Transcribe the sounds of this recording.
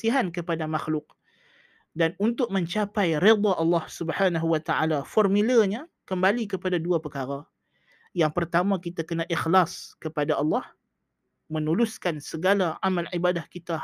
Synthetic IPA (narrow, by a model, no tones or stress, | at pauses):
iɦankəpadamaxlʊk̚ | danunt̪ʊk̚mə̃ɲt͡ʃapajɾed̪ˤɑʔɑlːɑhsubhanaɦuwat̪aʔalafɔrmiləɲa | kəmbalikəpadaduapəkaɾa | jaŋpərt̪amãkit̪akənãʔixlaskəpadaʔɑlːɑh | mənuluskansəɡalaamalʕibadahkit̪a